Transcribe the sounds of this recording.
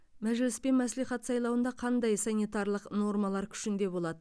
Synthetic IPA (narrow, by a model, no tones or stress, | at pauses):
mæʒlɪspe̞nmæsliχɑt̪sɑjlˠɑwənd̪ɑqʰɑnd̪ɑjsɑnʲit̪ɑɾlˠəqno̞ɾmɑlˠɑɾkʲʰʏ̥ʃɪnd̪e̞bo̞lˠɑd̪ə